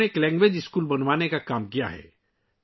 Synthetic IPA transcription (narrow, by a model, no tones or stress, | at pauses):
eeːklɛ̃ːŋɡʋed͡ʒɪskuːlbɐnʋaːnekakaːmkija̰ɦɛ̰ː